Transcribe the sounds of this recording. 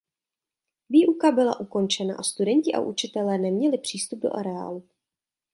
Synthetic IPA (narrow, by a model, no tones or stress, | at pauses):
viːʔukabɪla̰ʔuko̞nt͡ʃɛna̰ʔast̪udɛɲcɪʔa̰ʔut͡ʃɪt̪ɛlɛːnɛmɲɛlɪpr̝̥iːst̪ub̚do̰ʔaɾɛa̰ːlu